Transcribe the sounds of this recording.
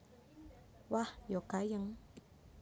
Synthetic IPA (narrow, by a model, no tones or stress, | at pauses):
wajokajəŋ